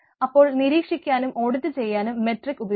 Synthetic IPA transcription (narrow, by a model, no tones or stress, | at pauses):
ɐpːo̞ːɭniɾiːkʂikʲːaːnumʔo̞ːɽuðːɨt͡ɕe̞jːaːnumːe̞ʈrikːubɐ